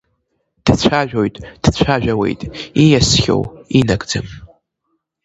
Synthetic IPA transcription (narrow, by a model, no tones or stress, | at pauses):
d̥t͡ɕʷʰaʒᶣojtʼd̥t͡ɕʷʰaʒᶣawe̞̰jtʼijasχʲo̰winakʼd͡zɨm